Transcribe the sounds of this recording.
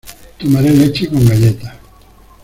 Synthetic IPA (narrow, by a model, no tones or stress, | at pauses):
t̪umaɾelet͡ʃikoŋɡaʎet̪ḁ